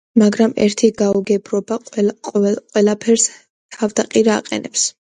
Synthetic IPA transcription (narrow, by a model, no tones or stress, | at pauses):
maɡɾamɛ̰ɾt̪ʰiɡauɡɛbɾɔbaɔqʼwɛlˠapʰɛɾs | t̪ʰavd̪aqʼiɾa̰ːqʼɛ̰nɛps